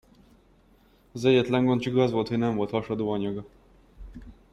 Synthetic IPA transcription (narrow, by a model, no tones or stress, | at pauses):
ɒzɛɟːɛt̪lɛŋɡo̞nt͡ʃiɡɒzʋo̞lt̪hoɟnɛɱvo̞lt̪hɒʃɒd̪oːɒɲɒɡɒ